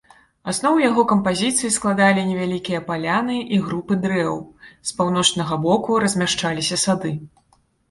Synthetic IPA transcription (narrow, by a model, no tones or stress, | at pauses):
asnɔwjaɣɔkɐmpazʲit̪sɨjisklˠad̪alʲinʲɛvʲalʲikʲijɐpalʲanɨʔiɣɾupɨd̪ɾɛwspawnɔt͡ʂnɐɣɐbɔkuɾɐzʲmʲaʂt͡ʂalʲisʲɐsad̪ɨ